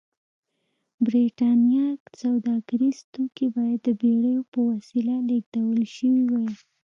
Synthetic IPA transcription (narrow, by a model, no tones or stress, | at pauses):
bɾiʈɑnjɑksawd̪ɑɡaɾiz̥t̪okibɑjad̪ːəbeɽəjopəwasilaleɡd̪awəlʃəwiwaj